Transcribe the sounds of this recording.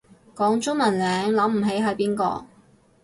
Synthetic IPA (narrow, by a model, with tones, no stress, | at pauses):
kɔː˨˥ŋt͡ʃʊ˥ŋmɐ˨˩nlɛː˨˧ŋlɐ˨˥m̩˨˩ɦe˨˥jɦɐ˨˧˥piː˥nkɔ̰ː˧